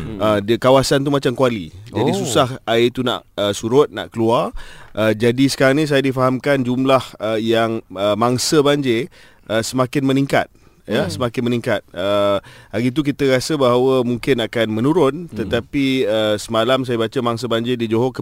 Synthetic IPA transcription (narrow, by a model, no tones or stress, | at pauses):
ʔədkawasant̪̬umat͡ʃamkualid͡ʒadisusahaɪt̪una̰ʔəsuɾʊt̪̚na̰ʔkəluarʔəd͡ʒadisə̥kaɾaŋnĩs̬ajadifaɦamkand͡ʒumlahəjaŋəmaŋsəbaɲd͡ʒe | əsəmakɪnmənĩŋka̰t̪̚ | jəsəmakɪnmənĩŋkat̪̚əaɡit̪̬uk̬it̪əɾasəbaɦawəmuŋkɪnakanmə̃nuɾʊnt̪ət̪apiəsəmalams̬ajabat͡ʃəmaŋsəbaɲd͡ʒedid͡ʒoɦokə